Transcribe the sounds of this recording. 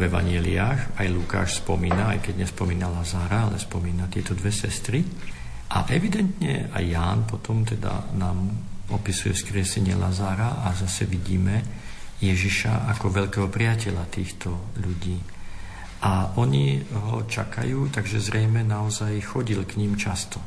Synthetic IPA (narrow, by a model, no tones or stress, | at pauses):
vɛʋa̰ɲɛliaːxajluka̰ːʃspɔmiːnaajkɛɟɲɛspɔmiːnalazaːɾaalɛ̰spɔmiːnat̪ɪɛt̪ɔd̪ʋɛsɛst̪ɾi | ʔa̰ʔɛʋid̪ɛnt̪ɲɛ̰a̰jːaːnpɔt̪ɔmt̪ɛd̪a̰naːmɔpisujɛ̰skɾɪɛsɛɲɪɛ̰lazaːɾaʔazasɛʋiɟiːmɛjɛʒiʃa̰ʔakɔʋɛʎkɛːɦɔpɾɪacɛʎat̪iːxt̪ɔʎuɟiː | ʔaʔɔɲiɦɔt͡ʃa̰ka̰juːt̪aɡʒɛzɾɛjmɛnaɔzajxɔɟilkɲimt͡ʃast̪ɔ